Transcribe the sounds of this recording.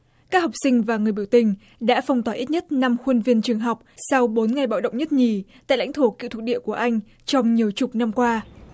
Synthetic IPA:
kaː˦˥k̚ha˨˩wp̚sï˧ŋ̟vaː˨˩ŋɨ˨˩əjɓi˧˩əwt̪ï˩ŋ̟ | ɗa̰ː˧˥fa˧wŋ͡mt̪waː˨˩ʔi˦˥t̚ɲə˦˥t̚na˧mxwə˧nvi˧ənt͡ɕɨ˨˩əŋɦa˨˩wk͡p̚sa˧wɓo˨˦nŋa˨˩jɓa̰ː˧˨wɗə̰˧˨ŋ͡mɲə˦˥t̚ɲi˨˩t̪a̰ː˧˨la̰˧˥jŋt̪ʰo˧˩ki˧˨t̪̚ʰɗḭ˧˨əku˧˩əʔa˧jŋ̟ | t͡ɕɔ˧wŋ͡mɲi˨˩əwt͡ɕʊ˨˩k͡p̚na˧mkwaː˧

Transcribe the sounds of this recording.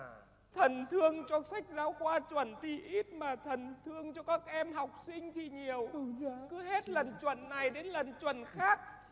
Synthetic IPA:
t̪ʰə˨˩nt̪ʰɨ˧əŋt͡ɕɔ˧sa˦˥jk̟̚zaː˨˦wxwaː˧t͡ɕwə˧˩nt̪i˧ʔi˦˥t̚maː˨˩t̪ʰə˨˩nt̪ʰɨ˧əŋt͡ɕɔ˧kaː˦˥k̚ʔɛ˧mɦa˨˩wk͡p̚sï˧ŋ̟t̪ʰi˨˩ɲi˨˩əwkɨ˨˦ɦe˦˥t̚lə˨˩nt͡ɕwə̰˧˩˨nːa˨˩jɗe˨˦nlə˨˩nt͡ɕwə̰˧˩˨nxaː˦˥k̚

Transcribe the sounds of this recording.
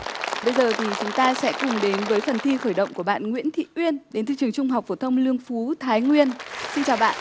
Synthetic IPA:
ɓə˧jzəː˨˩t̪ʰi˨˩t͡ɕʊ˨˦ŋ͡mt̪aː˧sɛ̰˧˥kʊ˨˩ŋ͡mɗe˨˦nvəː˨˦jfə˨˩nt̪ʰi˧xəː˧˩jɗə̰˧˨wŋ͡mku˧˩əɓa̰ː˧˨nŋwḭ˧˥ənt̪ʰḭ˧˨ʔwi˧ənɗe˨˦nt̪ʰɨ̰˧˨t͡ɕɨ˨˩əŋt͡ɕʊ˧ŋ͡mɦa˨˩wk͡p̚fo˧˩t̪ʰə˧wŋ͡mlɨ˧əŋfu˨˦t̪ʰaː˨˦jŋwi˧ənsi˧nt͡ɕaː˨˩wɓa̰ː˧˨nʔ

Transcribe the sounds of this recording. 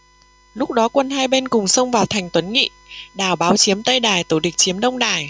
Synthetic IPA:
lʊ˦˥k͡p̚ɗɔ˨˦kwə˧nhaː˧jɓe˧nkʊ˨˩ŋ͡msə˧wŋ͡mvaː˨˩wt̪ʰa˨˩ŋ̟t̪wə˨˦nŋḭ˧˨ɗaː˨˩wɓaː˨˦wt͡ɕi˨˦əmt̪ə˧jɗaː˨˩jt̪o˧˩ɗï˨˩k̟̚t͡ɕi˨˦mɗə˧wŋ͡mɗaː˨˩j

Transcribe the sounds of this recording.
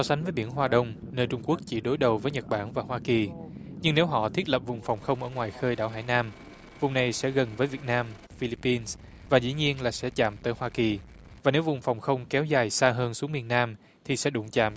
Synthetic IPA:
sɔ˨˧sa˨˦ŋ̟və˨˦jɓi˧˩ənɦwaː˧ɗə˧wŋ͡m | nəː˧jt͡ɕʊ˧ŋ͡mku˦˥ək̚t͡ɕi˧˩ɗo˨˦jɗə˨˩wvəː˨˦jɲə˨˩t̚ɓaː˧˩nvaː˨˩hwaː˧ki˨˩ɲɨ˧ŋne˨˦wɦɔ̰˧˨t̪ʰi˦˥ət̚lə˨˩p̚vʊ˨˩ŋ͡mfɔ˨˩wŋ͡mxə˧wŋ͡mʔəː˧˩ŋwaː˨˩jxəː˧jɗa̰ː˧˩wɦa̰ː˧˩jnaː˧m | vʊ˨˩ŋ͡mna˨˩jsɛ̰˧˥ɣə˨˩nvəː˨˦jvi˨˩ət̚naː˧m | fi˧li˧pːi˧ns | vaː˨˩zḭ˧˥ɲi˧ənlaː˨˩sɛ̰˧˥t͡ɕa̰ː˧˨mt̪əː˨˦jhwaː˧ki˨˩ | vaː˨˩ne˨˦wvʊ˨˩ŋ͡mfɔ˨˩wŋ͡mxə˧wŋ͡mkɛ˨˦wzaː˨˩jsaː˧ɦəː˧nsu˨˦əŋmi˨˩ənːaː˧m | t̪ʰi˨˩sɛ̰˧˥ɗʊ̰˧˩ŋ͡mt͡ɕa̰ː˧˨m

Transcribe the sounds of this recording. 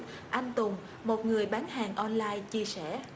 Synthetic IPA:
ʔaː˧nt̪ʊ˨˩ŋ͡m | mo˨˩t̚ŋɨ˨˩əjɓaː˨˦nɦaː˨˩ŋʔɔ˧nlaː˧jt͡ɕi˧əsɛ˧˩˨

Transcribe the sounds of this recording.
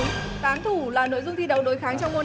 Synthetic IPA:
t̪aː˨˦nt̪ʰu˧˩laː˨˩no̰˧˨jzʊ˧ŋ͡mt̪ʰi˧ɗə˨˦˩wɗo˨˦jxaː˨˦ŋt͡ɕɔ˧wŋ͡mmo˧

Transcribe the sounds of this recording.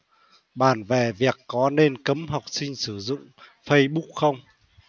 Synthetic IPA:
ɓaː˧˩nve˧˨˩vi˨˩əkːɔ˨˦ne˧nkə˨˦mɦa˨˩wk͡p̚sï˧ŋ̟sɨ˧˩zʊ̰˧˨ŋ͡mfə˧jɓu˦˥k̚xə˧wŋ͡m

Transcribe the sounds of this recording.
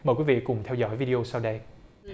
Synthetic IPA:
məː˨˩jkwi˨˦vḭ˧˨kʊ˨˩ŋ͡mt̪ʰɛ˧wzɔ̰˧˥˦jvi˧ɗi˧ʔo˧saː˧wɗə˧j

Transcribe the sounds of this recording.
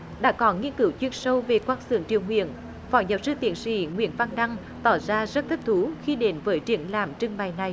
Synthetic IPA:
ɗa̰ː˧˥kɔ˨˦nŋi˧ənkɨ˨˦wt͡ɕwi˧ənsə˧wve˨˩kwaː˧nsɨ̰˧˨əŋt͡ɕḭ˨əwŋwḭ˧˨ən | fɔ˧˩ɲə˨˩p̚zɨ˧t̪ḭ˨˧˩ənsḭ˧˩ŋwḭ˧˨ənva˧ŋɗa˧ŋ | t̪ɔ˧˩zaː˧zə˦˥t̚t̪ʰi˦˥p̚t̪ʰu˨˦xi˧ɗe˨˦nvəː˨˦jt͡ɕi˧˩ənlaː˨˩mt͡ɕɨ˧ŋɓa˨˩jna˨˩j

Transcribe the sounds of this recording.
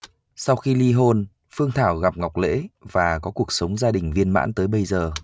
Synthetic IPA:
sa˧wxi˧li˧ɦo˧n | fɨ˧əŋt̪ʰaː˧˩wɣa˨˩p̚ŋa˨˩wk͡p̚lḛ˧˥vaː˨˩kɔ˨˦ku˨˩ək̚sə˨˦wŋ͡mzaː˧ɗï˨˩ŋ̟vi˧ənma̰ː˧˥nt̪əː˨˦jɓə˧jzəː˨˩

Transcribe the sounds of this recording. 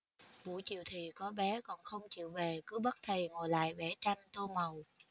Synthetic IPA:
ɓṵ˧˩jt͡ɕḭ˧˨wt̪ʰi˨˩kɔ˨˦ɓɛ˨˦kɔ˧˨˩nxə˧wŋ͡mt͡ɕḭ˧˨əwve˨˩kɨ˨˦ɓə˦˥t̚t̪ʰə˨˩ŋo˨˩jla̰ː˧˨jɓɛ˧˩t͡ɕa˧jŋt̪o˧mə˨˩w

